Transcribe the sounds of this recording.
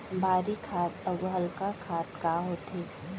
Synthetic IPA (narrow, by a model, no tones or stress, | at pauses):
bʱaːɾikʰaːt̪ɐɡɦɐlkakʰaːt̪kaːɦoːt̪eː